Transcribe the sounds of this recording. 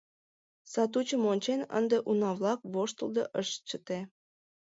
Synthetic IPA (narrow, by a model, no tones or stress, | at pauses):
sɑt̪̬ut͡ɕə̆monʲt͡ɕenə̰nd̪eʔunɑβlˠɑk̚βoʃt̪ə̆ld̪ɤʔəʃt͡ɕət̪e